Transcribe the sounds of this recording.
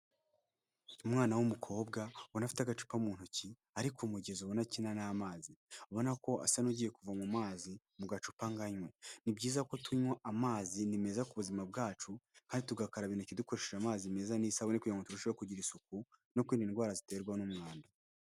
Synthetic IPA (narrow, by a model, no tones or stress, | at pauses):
umŋaːnawumukʰo̞ːbɡawonafi̥taɡat͡ʃu̥pamuːn̥huci | aɾikʰomuɟe̞zuβonacinanamaːzioβo̞nako̞a̰sanuɟiːje̞kuvamumaːzi | muɡat͡ʃupaŋɡaɲwenibɟiːzako̞tʰuɲwaʔamaːzinimezakuβuzimabɡaːt͡ʃukaːndituɡakaɾaβinuciduko̞ɾe̞ʃeʒamaːzime̞zanisaβonikujaŋɡotuɾuʃβkuɟiɾisuk̚uno̞kwiːndiːnɡwaːɾazite̞ːɾɡwanumŋaːnda